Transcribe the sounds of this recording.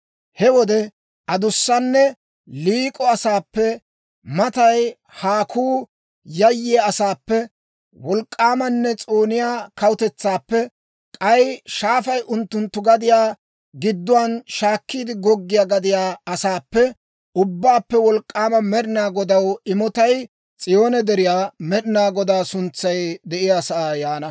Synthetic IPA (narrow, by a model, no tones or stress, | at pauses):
hɛwɔd̪ɛ | ʔɐd̪ʊsːɐnːɛ | liːkʼɔɐsaːpːɛ | mɐt̪ɐj | haːkʰuː | jɐjːɪaɐsaːpːɛ | wɔlkʼːaːmɐnːɛt͡sʼoːnɪjaːkɐwʊt̪ɛt͡sːaːpːɛ | kʼɐjʃaːfɐjʔʊnt̪ːʊnt̪ːʊɡɐd̪ɪjaː | ɡɪd̪ːʊwanʃaːkːiːd̪ɪɡɔɡːɪjaːɡɐd̪ɪjaːɐsaːpːɛ | ʊbːaːpːɛwɔlkʼːaːmɐmɛɾɪnaːɡɔd̪ɐwɪmɔt̪ɐj | t͡sʼɪjo̞ːnɛd̪ɛɾɪjaːmɛɾɪnaːɡɔd̪aːsʊnt͡sːɐjd̪ɛʔɪjasɐaːjaːnɐ